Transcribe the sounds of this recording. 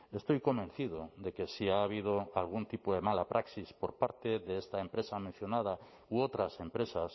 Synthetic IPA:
est̪ojkombẽn̟θið̞od̪ekesiaːβ̞ið̞oalɣ̞unt̪ipoðemalapɾʔaksispoɾpaɾt̪eðeest̪aempɾesamẽn̟θjonað̞a | uot̪ɾasempɾesas

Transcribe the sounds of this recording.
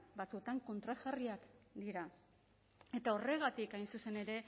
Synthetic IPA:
bat͡sut̪aŋko̞nt̪ɾaʝariakd̪iɾa | e̞t̪ao̞re̞ɣ̞at̪ikajnsuse̞ne̞ɾe̞

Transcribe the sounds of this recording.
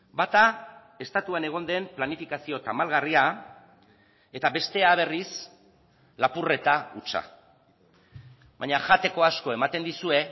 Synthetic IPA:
bat̪a | e̞st̪at̪uane̞ɣ̞o̞nd̪e̞mplanifikasio̞t̪amalɣaria | e̞t̪aβe̞st̪e̞aβ̞e̞ris | lapure̞t̪aut͡ʃa̰ | βaɲaʝat̪e̞ko̞asko̞e̞mat̪e̞nd̪isue̞

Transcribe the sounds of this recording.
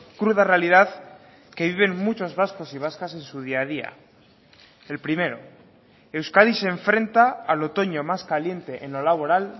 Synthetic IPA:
kɾuð̞arealiðað | ke̞β̞iβ̞e̞ŋmut͡ʃo̞zβasko̞siβ̞askase̞nsuð̞iaðia̰ | e̞lpɾime̞ɾo | e̞wskaðise̞ɱfɾẽ̞nt̪aːlo̞t̪o̞ɲo̞maskalje̞nt̪e̞ʔenlo̞laβ̞o̞ɾal

